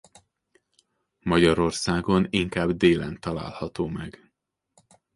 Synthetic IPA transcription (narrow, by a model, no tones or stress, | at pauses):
mɒɟɒɾo̞rsaːɡo̞niŋkaːbd̪eːlɛnt̪ɒla̰ːlhɒt̪oːmɛɡ